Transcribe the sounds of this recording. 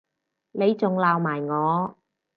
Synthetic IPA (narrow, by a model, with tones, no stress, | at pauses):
le˨˧jt͡sʊ˨ŋlaː˨wmaː˨˩jŋɔː˨˧